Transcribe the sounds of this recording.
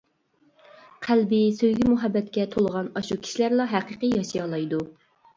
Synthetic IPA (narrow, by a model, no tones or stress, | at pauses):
qʰælbɪsøjɡʲimuɦɛbːɛt̪kʲɛt̪ʰolˠʁɑnɑʃukʲʰi̥ʃilæɾlˠɑɦæqɨqəjɑʃijɑlˠɑjd̪u